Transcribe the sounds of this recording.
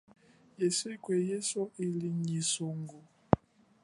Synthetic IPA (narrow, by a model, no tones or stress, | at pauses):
jeskwejesoʔiliɲisoŋɡo